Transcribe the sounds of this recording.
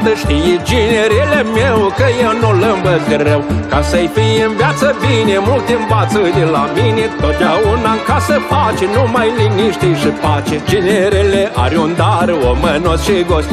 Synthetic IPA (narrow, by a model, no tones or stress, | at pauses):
t̪əʃt̪ijed͡ʒineɾelemewkəjewnulɨmbəzɡɾewkasəjfijɨnvjat̪səbinemult̪eɨnbat̪sɨd̪elaminet̪ot̪̚d̪ʲaunaŋkasəfat͡ʃenumajliniʃt̪ijʃipat͡ʃed͡ʒineɾeleʔa̰ɾʲund̪aɾomənosʃiɡosʲt̪ʲ